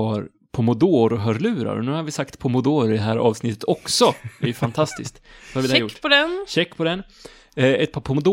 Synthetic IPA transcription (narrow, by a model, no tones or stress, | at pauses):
ɑɾ | pʰɔmʊd̪oːɾɔɦœɾlʉ̟ːɾa̰ɾɔ̰nʉ̟ːhaɾvɪsakt̪pʰɔmʊd̪oːɾɪd̪ɛɦæːɾʔɑ̰ːvsnɪt̪ːət̪ɔksɔæjɵfant̪ʰast̪ɪskt̪sɔhaɾvɪɛæɛɾjʊʈːpɔd̪ɛnɕɛkːpʰɔd̪ɛn | ɛt̪̚pʰɑːɾpʰɔmʊd̪ː